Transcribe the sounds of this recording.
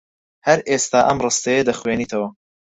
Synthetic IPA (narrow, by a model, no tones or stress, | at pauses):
hɐɾʔest̪aːʔɐmrɨst̪ejed̪ɐxweːniːt̪ʰɐwɐ